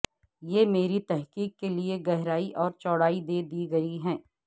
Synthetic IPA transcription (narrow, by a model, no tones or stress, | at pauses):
jeːmeːɾit̪ɛɦkiːkːelieɡɛɦɾaːiʔɔːɾt͡ʃɔːɽaːid̪eːd̪iːɡɐiɦɛ̃ː